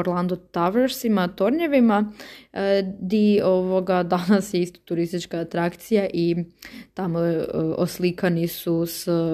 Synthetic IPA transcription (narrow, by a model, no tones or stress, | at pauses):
oɾlˠand̪ot̪aʋeɾsimat̪o̞ɾɲe̞ʋima | d̪ioʋo̞ɡad̪anasjeist̪ḁt̪uɾist̪it͡ʃkaːt̪ɾakt̪sijaʔit̪amooslikanisus